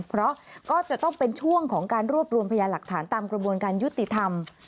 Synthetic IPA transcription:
pʰɾɔ˦˥ʔkɔː˥˩t͡ɕa˨˩t̪ɔ˥˩ŋpe˧nt͡ɕʰu˥˩əŋkʰɔː˩˦ŋkaː˧nɾu˥˩əp̚ɾu˧əmpʰa˧jaː˧la˨˩k̚t̪ʰaː˩˦nt̪aː˧mkɾa˧bu˧ənkaː˧nju˦˥t̪ːi˨˩t̪ʰa˧m

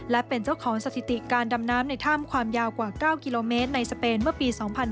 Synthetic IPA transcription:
lɛ˦˥pe˧nt͡ɕa˥˩wkʰɔː˩˦ŋsa˧t̪ʰi˨˩t̪i˨˩kaː˧nda˧mnaː˦˥mna˧jt̪ʰaː˥˩mkʰwaː˧mjaː˧wkwaː˨˩kaː˥˩wki˧loː˧meː˦˥t̪̚na˧jsa˧peː˧nmɯ˥˩piː˧sɔː˩˦ŋpʰa˧n

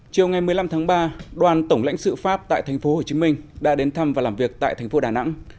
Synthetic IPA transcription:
t͡ɕi˨˩əwŋa˨˩jm˨˩əla˧mt̪ʰaː˨˦ŋɓaː˧ɗwaː˨˩nt̪ə˧˩wŋ͡mla̰˧˥ŋsɨ̰˧˨faː˦˥p̚t̪a̰ː˧˨t̪ʰjŋ̟fo˨˦ho˨˩t͡ɕi˨˦mï˧ŋ̟ɗa̰ː˧˥ɗe˨˦nt̪ʰa˧mvaː˨˩laː˨˩mvi˨˩ək̚t̪a̰ː˧˨jt̪ʰɛ˨˩jŋ̟fo˨˦ɗaː˨˩na̰˧˥ŋ

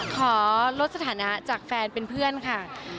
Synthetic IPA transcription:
kʰɔː˩˦lo˦˥t̪̚sa˧t̪ʰaː˩˦na˦˥t͡ɕaː˨˩k̚fɛː˧npe˧npʰɯ˥˩ənkʰa˥˩

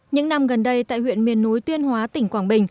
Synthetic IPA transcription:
ɲɨ̰˧˥ŋna˧mɣə˨˩nɗə˧jt̪a̰ː˧˨jhwḭ˧˨ənmi˨˩ənːo˨˦jt̪wi˧ənhwaː˨˦t̪ï˧˩ŋ̟kwaː˧˩ŋɓï˨˩ŋ̟

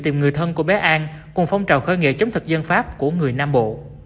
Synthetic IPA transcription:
t̪i˨˩mŋɨ˨˩əjt̪ʰə˧nku˧˩əɓɛ˨˦˥ʔaː˧nkʊ˨˩ŋ͡mfa˧wŋ͡mt͡ɕaː˨˩wxəː˧jŋḭ˧˨t͡ɕə˨˦wŋ͡mt̪ʰɨ˨˩k̚zə˧nfaː˦˥p̚ku˧˩əŋɨ˨˩əjnaː˧mɓo̰˧˨

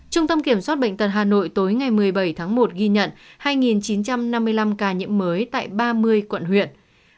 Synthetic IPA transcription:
t͡ɕʊ˧ŋ͡mt̪ə˧mki˧˩əmswaː˦˥t̚ɓə̰˧˨ŋ̟t̪ə˨˩t̚ɦaː˨˩no̰˧˨jt̪o˨˦jŋa˨˩jmɨ˨˩əjɓə˧˩jt̪ʰaː˨˦ŋmo˨˩t̚ɣi˧ɲə̰˧˨nhaː˧jŋi˨˩nt͡ɕi˨˦nt͡ɕa˧mna˧mːɨ˧əjla˧mkaː˧˩ɲḭ˧˥əmːəː˨˦jt̪a̰ː˧˨jɓaː˧mɨ˧əjkwə̰˧˨nhwḭ˧˨ən

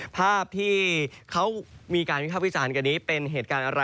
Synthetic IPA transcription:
pʰaː˥˩p̚t̪ʰiː˥˩kʰa˦˥wmiː˧kaː˧nwpʰaː˥˩wi˦˥˩t͡ɕaː˧nka˧nːiː˦˥pe˧nɦeː˨˩t̪̚kaː˧nʔa˧ɾa˧

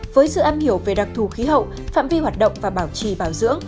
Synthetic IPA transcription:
vəː˨˦jsɨ̰˧˨ʔaː˧mhi˧˩əwve˨˩ɗa˨˩k̚t̪ʰu˨˩xi˨˦ɦə̰˧˨w | fa̰ː˧˨mvi˧hwaː˨˩t̚ɗə̰˧˨wŋ͡mvaː˨˩ɓaː˧˩wt͡ɕi˨˩ɓaː˧˩wzɨ̰˧˥əŋ

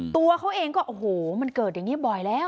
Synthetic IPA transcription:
t̪u˧ɐkʰa˦˥wʔeː˧ŋkɔː˥˩ʔo˨˧˩ɦoː˨˩˦ma˧nkɤː˨˩t̪̚ja˨˩ŋːiː˦˥˩bɔ˨˩jlɛː˦˥˩w

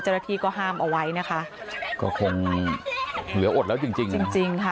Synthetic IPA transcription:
t͡ɕa˥˩˧na˧t̪ʰiː˥˩kɔː˥˩ɦaː˥˩mʔa˧wa˦˥jna˦˥kʰa˦˥ʔ | kɔ̰ː˥˩kʰo˧ŋ | wɯ˨˦ɐʔo˨˩t̪̚lɛː˦˥wt͡ɕi˧ŋt͡ɕi˧ŋt͡ɕi˧ŋt͡ɕi˧ŋkʰa˦˥˩

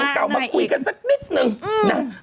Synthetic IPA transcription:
kaː˧wma˨˩kwi˧kaː˨˦zə˦˥t̚ɓi˦˥t̚nɨ˧na˨˧˩

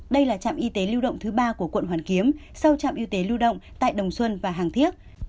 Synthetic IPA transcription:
ɗə˧jlaː˨˩t͡ɕa̰ː˧˨mʔi˧t̪e˨˦li˧wɗə̰˧˨wŋ͡mt̪ʰɨ˨˦ɓaː˧ku˧˩əkwə̰˧˨nɦaː˧˩nki˨˦əmsa˧wt͡ɕa̰ː˧˨mʔi˧wt̪e˨˦lu˧wɗə̰˧˨wŋ͡mt̪a̰ː˧˨jɗə˨˩wŋ͡mswə˧nvaː˨˩ɦaː˨˩ŋt̪ʰi˦˥ək̚

